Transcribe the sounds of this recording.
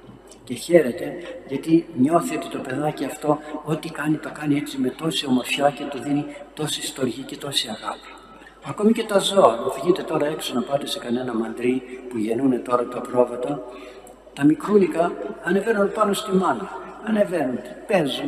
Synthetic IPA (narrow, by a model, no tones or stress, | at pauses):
ce̞çe̞ɾe̞t̪e̞ʝɐt̪iɲo̞θio̞t̪it̪o̞pe̞ðɐciɐft̪o̞ot̪ikɐnit̪o̞kɐniesime̞t̪o̞sio̞mo̞ɾfçɐce̞t̪oðinit̪o̞sist̪o̞ɾʝice̞t̪o̞siɐɣɐpi̥ | ɐko̞mice̞t̪ɐzo̞ɐvʝit̪e̞t̪o̞ɾɐe̞ksonɐpɐt̪esekɐne̞nɐmɐnd̪ɾipuʝe̞nune̞t̪o̞ɾɐt̪ɐpɾo̞vɐt̪ɐ | t̪ɐmikɾunikɐɐne̞venunpɐno̞st̪imɐnɐɐne̞ve̞nund̪epe̞zun